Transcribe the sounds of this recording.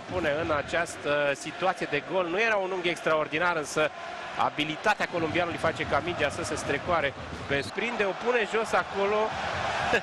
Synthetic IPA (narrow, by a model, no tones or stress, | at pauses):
pune̞ɨnat͡ʃast̪əsit̪uat̪sijed̪e̞ɡo̞lnuje̞ɾaunuŋɡe̞kst̪ɾao̞rd̪inaɾɨnsə | a̰bilit̪at̪eako̞lumbianulujfat͡ʃe̞kamid͡ʒasəsəst̪ɾekwaɾe̞ | pespɾind̪e̞opune̞ʒo̞sako̞lo̞